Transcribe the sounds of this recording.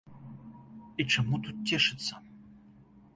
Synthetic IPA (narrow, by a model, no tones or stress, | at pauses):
it͡ʂɐmut̪ut̪̚tʲːeʂɨt̪sɐ